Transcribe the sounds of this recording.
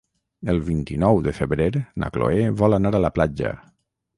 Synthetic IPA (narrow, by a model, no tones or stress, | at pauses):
əlˠβint̪inɔwðəfəβɾeɾna̰klo̰eβɔlanaɾaləplad͡ʒə̰